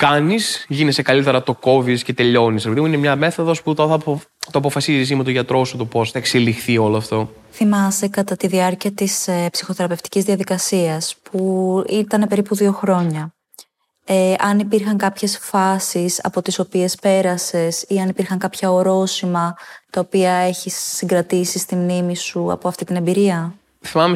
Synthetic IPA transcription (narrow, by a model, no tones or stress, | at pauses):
kɐnisʝinese̞kɐlit̪e̞ɾɐt̪o̞ko̞visce̞t̪e̞ʎo̞nisepiðimuinemɲɐme̞θoðo̞sput̪oɐ | t̪oɐpo̞fɐsizis̬imet̪oʝɐt̪ɾo̞sut̪upo̞sθɐekselixθio̞loɐft̪o̞ | θimɐst̪e̞kɐt̪ɐt̪iðiɐɾciɐt̪isepsixo̞θeɾɐpe̞ft̪i̥cizðiɐðikɐsiɐspuit̪ɐne̞pe̞ɾipuðio̞xɾo̞ɲɐ | eʔɐnipiɾxɐŋkɐpçe̞sfɐsisɐ̰po̞t̪iso̞pie̞spe̞ɾɐse̞siɐnipiɾxɐŋkɐpçɐoɾo̞simɐt̪ɐopiɐe̞çisːiŋɡɾɐt̪isist̪imnimisuɐ̰po̞ɐft̪it̪ine̞mbiɾiɐ | θimɐme